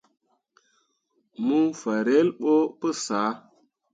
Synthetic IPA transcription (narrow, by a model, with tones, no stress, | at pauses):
mu˦fa˨ɾe˦lɓo˦pə˦saː˨˦